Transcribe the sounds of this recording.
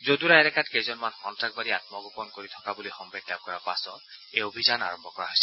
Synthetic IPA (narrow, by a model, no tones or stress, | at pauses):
zod̪uɾaɛɾɛkatkezɔnmanxɔntɹak̚baɾiat̚mɔɡɔpɔnkoɹitʰɔ̥kabulixɔmbɛɡlab̚kɔɹapasɔejobʱizana̰ɹɔmbʱɔkɔɹaɦojsɛ